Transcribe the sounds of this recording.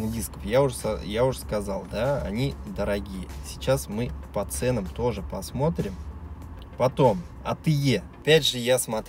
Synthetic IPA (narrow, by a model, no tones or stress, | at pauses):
dʲiskəfjaʊʐsjaʊʂskɐzɑlˠd̪aɐ̰nʲid̪əɾɐɡʲijəsʲɪ̥t͡ɕasmɨpɐt̪sɛnəmt̪o̞ʐɨpɐsmo̞t̪ɾʲɪm | pɐt̪o̞m | ɐ̰t̪ɨjeɐpʲætʲʐɨjasmɐt̪